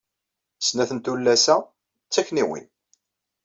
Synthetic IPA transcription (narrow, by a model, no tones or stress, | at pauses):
snæθənt̪ulːæsæ | t͡sːæçniwḭn